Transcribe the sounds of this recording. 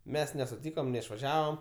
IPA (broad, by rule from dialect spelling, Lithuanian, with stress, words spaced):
ˈmʲɛs nʲɛsʊˈtʲiːkoːm nʲɛɪʃʋɐˈʒʲæːʋɐm